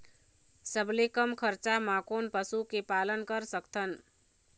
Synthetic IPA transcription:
səblekəmkʰəɾt͡ʃamãkonpəsukepalənkəɾsəkt̪ʰən

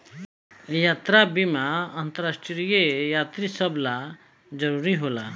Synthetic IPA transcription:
jaːt̪ɾabimaənt̪əɾasʈɾijejaːt̪ɾisəbla | d͡ʒəɾuːɾiɦola

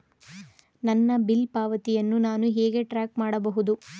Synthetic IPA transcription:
nɐnːɐbilpaːʋɐt̪ijɐnːunaːnuɦeːɡe̞ʈɾaːk̚maːɽɐbɐɦud̪u

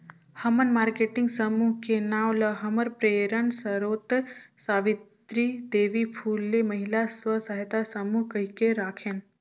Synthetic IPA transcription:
hɐmənmaːɾkeʈɪŋɡsəmuɦkenaːwləɦɐməɾpɾeːɾənsəɾoːt̪saːʋɪt̪ɾid̪eːʋipʰuːlːemɐɦilasʋəsəɦet̪asəmuɦkəɦikeɾaːkʰen

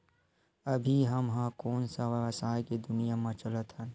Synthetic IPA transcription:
ɐbʱiɦɐmɦãːkoːnsasaːeked̪ʊnijamãt͡ʃɐlət̪ɦə̃n

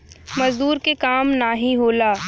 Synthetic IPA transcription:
mɐzd̪uːɾkekaːmnaːɦiɦoːlaː

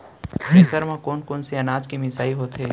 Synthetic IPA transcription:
meːsəɾmãkoːnkoːnseɐnaːd͡ʒkimɪsaːiɦoːt̪ɦeː

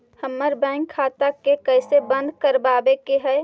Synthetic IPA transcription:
həmːəɾbɛ̃ːŋkʰːaːt̪akekəɪsebə̃nd̪kəɾbaːbekeɦɛː

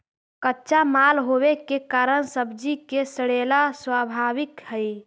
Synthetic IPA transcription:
kətːʃamalɦowekekaɾəɳsəbd͡ʒikesəɽelaswabʱaʋɪkhəj

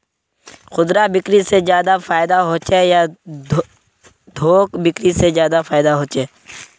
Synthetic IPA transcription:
xʊd̪ɾabɪkɾisezjaːd̪afaːɪd̪aɦoːt͡ʃeja | d̪ʱoːkbɪkɾisezjaːd̪afaːɪd̪aɦoːt͡ʃeː

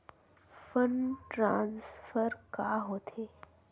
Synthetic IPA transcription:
fənʈɾãːnsfəɾkaːɦoːt̪ʰe

